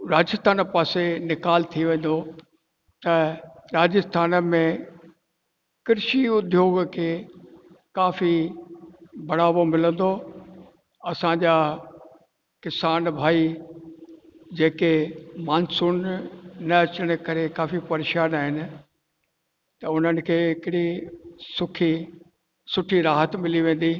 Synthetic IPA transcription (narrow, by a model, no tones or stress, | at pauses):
ɾaːd͡ʑəst̪ʰaːnpaːsenɪkaːlt̪ʰiʋẽːn̆d̪o | t̪ɐɾaːd͡ʑəst̪ʰaːnəmẽ | kɪɾʃiʊd̪ʱjoːɡkʰeː | kaːfi | bʱɐɽ̤aːʋomɪlə̃nd̪o | ɐsãɲd͡ʑaː | kɪsaːnbʱaːi | d͡ʑeːkemaːnsʊnnɐɐt͡ɕəɽ̃̆kɐɾekaːfipɐɾeːʃaːnaːɦɪnɪ̆ | t̪ɐʊn̤ənɪ̆kʰeːɪkɪɽisʊkʰi | sʊʈʰiɾaːɦət̪mɪliʋẽːn̆d̪i